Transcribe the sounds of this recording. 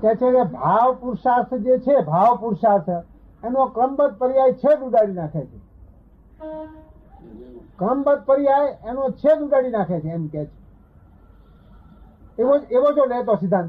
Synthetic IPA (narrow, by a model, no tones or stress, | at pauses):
kɛt͡ʃʰekebʱaʋpuɾʃasd͡ʒet͡ʃʰebʱaʋpuɾʃaɾs | enõkəmbəd̪̚pəɾiajt͡ʃʰed̪uɖaɽinakʰet͡ʃʰe | kəmbəd̪̚pəɾiajenõt͡ʃʰed̪uɖaɽinakʰet͡ʃʰeːmket͡ʃʰe̥ | eʋod͡ʒeʋod͡ʒolet̪̬osid̪ʱːãn